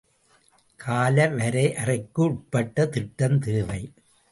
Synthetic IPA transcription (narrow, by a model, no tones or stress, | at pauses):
kʰaːlɐʋɐɾɐɪʔɐrɐɪkːɯʊʈ̚pɐʈːɐt̪ɪʈːɐmt̪eːʋɐɪ